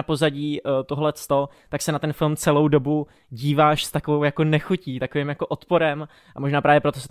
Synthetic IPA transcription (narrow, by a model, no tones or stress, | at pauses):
apo̞zaɟiːt̪oɦolɛst̪o | t̪aksɛnat̪ɛnfɪlmt͡sɛlo̞wdo̞bu | ɟiːvaːʃst̪akovowjako̞nɛxuciːt̪akovɪmjako̞ʔot̪po̞ɾɛm | ʔamo̞ʒnaːpɾaːvjɛpɾo̞t̪osɛt̪